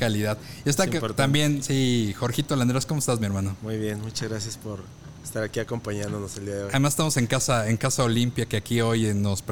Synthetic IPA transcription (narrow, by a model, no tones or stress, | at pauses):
aliðaðest̪aot̪t̪ambje̞nsixo̞ɾxit̪oland̪ɾesko̞moest̪azmie̞ɾmãnomujβjenmut͡ʃazɣɾasjaspoɾ | est̪aɾakiako̞mpaɲãnd̪onoseld̪iaðeoaðemase̥st̪amose̞ŋkasae̞ŋkasao̞limpjake̞akio̞jno̞sp